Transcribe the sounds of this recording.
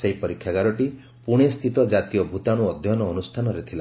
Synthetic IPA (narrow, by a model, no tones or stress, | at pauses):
seɦipɔɾikʰːjaɡaɾɔʈi | puɽ̃est̪ʰit̪ɔd͡ʒat̪iɔbʱut̪aɽ̃uɔd̪ʱjɔnɔːnust̪ʰanɔɾet̪ʰila